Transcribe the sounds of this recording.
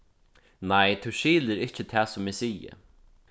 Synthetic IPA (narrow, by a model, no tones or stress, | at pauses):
najt̪ʰuʃiːlɪɾɪht͡ʃɪt̪ʰæːsʊmɪsiːə̰